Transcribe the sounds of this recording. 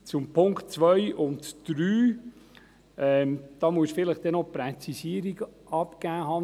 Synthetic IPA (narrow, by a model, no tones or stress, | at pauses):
t͡sʊmpʰʊŋkt̚t͡sʋœʏʔʊntd̥ɾyː | ʔɛmd̥ɑːmuəsfɪləχd̥ɛnopɾɛt͡sisiəɾiɡəʔɑpkæːɦɑː